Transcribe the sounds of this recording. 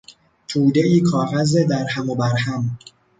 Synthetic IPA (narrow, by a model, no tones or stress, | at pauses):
t̪ʰuːd̪eʔiːkʰɒːɣæzed̪æɾhæmobæɾhæm